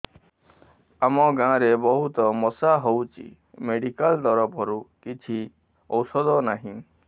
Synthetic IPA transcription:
amɔɡãɾebɔɦut̪ɔmɔsaɦowt͡ʃʰḭ | meɖikalt̪ɔɾɔpɔɾukit͡ʃʰi | ɔwsɔd̪ɔnaɦĩ

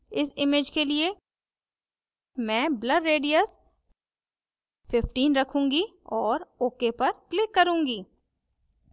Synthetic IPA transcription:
ɪsɪmeːd͡ʒkelie | mɛ̃ːbləɖɾeːɖijəs | fɪfʈiːnɾɐkʰũːŋɡi | ɔːɾoːkepɐɾklɪkːɐɾũːŋɡiː

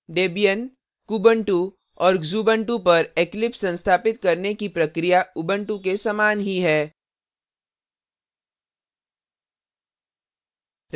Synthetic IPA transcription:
ɖeːbijən | kuːbə̃ɳʈu | ɔːɾzuːbə̃ɳʈupɐɾeklɪpsɐ̃nst̪ʰaːpɪt̪̚kɐɾnekipɾɐkɾijaʊbə̃ɳʈũkesamaːnɦiɦɛː

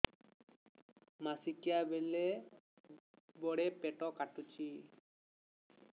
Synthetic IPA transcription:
masikijabɛlɛ | bɔɽɛpɛʈɔkaʈut͡ʃʰi

